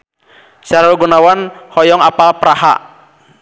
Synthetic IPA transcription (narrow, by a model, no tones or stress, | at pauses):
saɾaluɡunawanhɔjɔŋapalpɾaha̰